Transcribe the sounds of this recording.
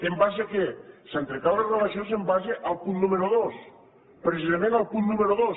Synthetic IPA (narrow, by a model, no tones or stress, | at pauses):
embasekesant̪ɾekalerelasjons̬embazeʔalˠpunnumeɾoðos | pɾesizamẽnalˠpunnumeɾoðos